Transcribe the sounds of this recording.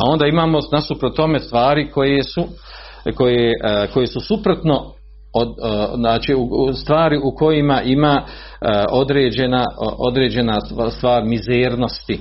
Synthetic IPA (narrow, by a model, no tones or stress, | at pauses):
ao̞nd̪aːimaːmo̞nasupɾot̪ːo̞me̞st̪ʋaːɾiko̞jesu | ko̞jeko̞jesusupɾo̞t̪no̞ | oaːt͡ʃiust̪ʋaːɾiʔuko̞jimaʔima | o̞d̪ɾeːd͡ʑe̞naʔod̪ɾe̞ːd͡ʑe̞nast̪ʋaːɾmizeːɾno̞st̪i